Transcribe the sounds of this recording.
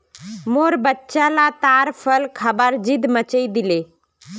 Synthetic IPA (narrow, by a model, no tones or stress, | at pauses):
moːɾbətːʃãlat̪aːɾpʰəlkʰəbəɾd͡ʒɪd̪mət͡ʃəid̪ɪleː